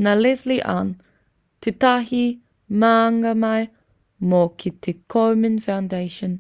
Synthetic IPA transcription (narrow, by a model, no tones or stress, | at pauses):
nalɛsliʔa̰n | t̪ʰit̪ahi | maːŋɡamaj | mokʰit̪ʰikʰomənfãwndeɪʃən